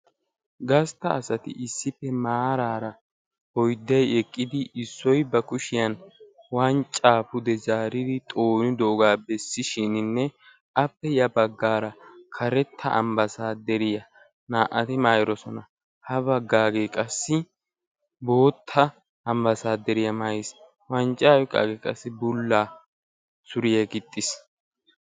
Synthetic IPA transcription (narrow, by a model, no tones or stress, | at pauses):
ɡɐst̪ɐːsɐt̪ɪ̰ʔɪsːɪpːɛmaːɾaːɾɐ | hɔjd̪ːɐjɛkʼːɪd̪ɪʔɪsːɔjbɐkʊʃɪjɐn | waːnt͡ʃʼaːfʊd̪ɛzaːɾɪd̪ɪt̪ʼoːnʊd̪oʔɡaːbɛsːɪʃɪnɪnːɛ | ʔɐpːɛjɐbɐɡːaːɾɐkʰɐɾɛt̪ʰːɐ̰ʔɐ̰mbɐsaːd̪ɛɾɪjɐ | naːʔɐt̪ɪmaːjɾɔsɔnɐ | hɐbɐɡːaːɡeːkʼɐsːɪ | bo̞ːt̪ʰːɐ | ɐmbɐsaːd̪ɛɾɪjɐmɐjɪs | wɐnt͡ʃʼːaːwɛkʼːa̰ɡekʼɐsːɪbʊlːaː | sʊɾɪjɛɡɪt̪ʼːɪs